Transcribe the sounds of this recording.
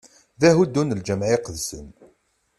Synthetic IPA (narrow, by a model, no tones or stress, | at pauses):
ðæɦud̪ːunəld͡ʒəmʕiqəðsən